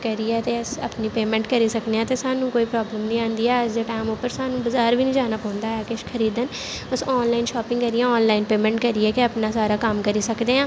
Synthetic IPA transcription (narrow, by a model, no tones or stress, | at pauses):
kəɾiɛːt̪eʊsəpniːpeːmɛ̃ːɳʈkəɾiːsəkd̪eãːt̪esaːnũːkoːiːpɾɔːbləmnĩːãːnd̪iːɛːəsd̪eːʈaːɪmopəɾsaːnũːbəzaːɾʋiːnĩːd͡ʒaːnaːpɔ̃ːʊnd̪aːɛːkɪʃkʰəɾiːd̪ən | ʊsɔːnlaːɪnʃɔːpɪ̃ŋɡkəɾiɛ̃ːɔːnlaːɪnpeːmɛ̃ːɳʈkəɾiɛːkeəpnaːsaːɾaːkəmkəɾiːsəkd̪eːãː